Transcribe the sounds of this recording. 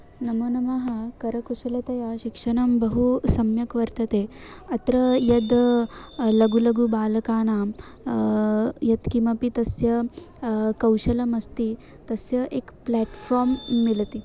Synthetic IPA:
nɐmɐnɐmaɦɐkɐɾɐkusɐlɐt̪ɐjaɕikʂɐɳɐmbɐɦusɐmjɐkʋɐɾt̪ɐt̪eɐt̪ɾɐjɐd̪ | lɐɡulɐɡubaːlɐkaːna | jɐd̪kimɐpit̪ɐsjɐ | kɐwɕɐlɐmɐst̪i | t̪ɐsjɐʔekplæʈfɔɾmːilt̪i

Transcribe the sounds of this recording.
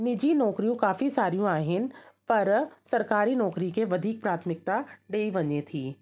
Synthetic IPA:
nɪd͡ʑinɔːkɾijũkaːfisaːɾijũaːɦɪnɪ̆pɐɾsɐɾkaːɾinɔːkɾikeʋɐd̪ʱiːk̚pɾaːt̪ʰmɪk̚t̪aɖeːiʋɐɲet̪ʰiː

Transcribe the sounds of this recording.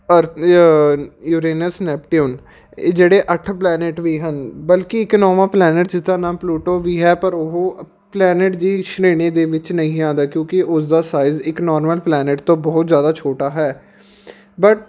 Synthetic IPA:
əɾ | juːɾeːnəsnɛːpʈioːnː | d͡ʒeːɽeːʔəʈʰplɛːnɪʈʋiːɦənbəlkɪɪknɔːʋãːplɛːnɪʈd͡ʒɪt̪ːãːnãːpluːʈoːʋiːɦɛːpəɾʊɦoː | plɛːnɪʈd͡ʒ̪iːʃneːɽ̃eːd̪eːʋɪt͡ʃnəĩːãːnd̪aːkjõːkɪʔʊsd̪aːsaːɪzɪknɔːɾməlplɛːnɪʈ̚t̪õːbɔːt̪zjaːd̪aːt͡ʃʰoːʈaːɦɛː | bəʈ

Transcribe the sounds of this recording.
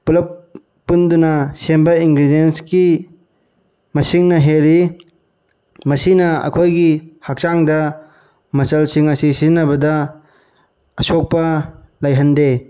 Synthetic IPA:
pulɐpː | undunɐsembɐiŋɡɾidienski | mɐsiŋnɐɦeɾi | mɐsinɐɐ̰kʰojɡihɐk̚t͡ʃaŋdɐ | mɐsɐlsiŋɐsisizinːɐbɐdɐ | ɐsok̚pɐ | lɐjɦɐnde

